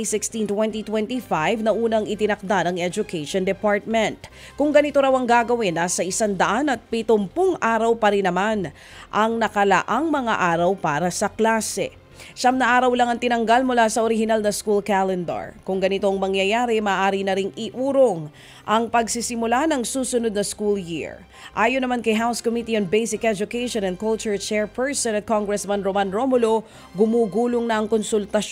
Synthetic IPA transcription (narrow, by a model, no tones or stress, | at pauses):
isɪkst̪int̪wɛnt̪it̪wɛnt̪ifajvnɐʔuːnɐŋɪt̪ɪnɐk̚d̪anɐŋɛd͡ʒʊkʰeʃond̪ɛpaɹt̪̚mɛnt̪̚ | kʊŋɡɐnɪt̪o̞ɾawɐŋɡaːɡɐwinːɐsɐʔɪsand̪ɐʔanɐt̪̚pɪt̪ʊmpoŋʔaːɾɐwpɐɾɪnːɐman | ʔɐŋnɐkɐlɐ̰ʔaŋmɐŋa̰ʔaːɾɐwpaːɾɐsɐklaːsɛ̰ | ʃamnɐʔaːɾɐwlaŋɐŋt̪ɪnɐŋɡalmʊlasɐʔoɾɪɦɪnalnɐskulkalɛnd̪ɐ̰ɹkʊŋɡɐnɪt̪oŋmɐŋjɐjaːɾɪmaːʔaːɾinɐɾɪŋɪʔuːɾoŋ | ʔɐŋpɐɡsɪsɪmʊlanɐŋsuːsʊnod̪̚nɐskuljḭɹ | ʔaːjonɐmankɐjɦawskomit̪ion̚bejsɪkʔɛd͡ʒʊkejʃonɐ̃nd̪̚kɔlt͡ʃʊɹt͡ʃɛɹpɛɹsɛnɐt̪̚koŋɡɾɛsmɐnɾomanɾomolo | ɡʊmuːɡuːloŋnɐʔɐŋkonsʊlt̪ɐʃ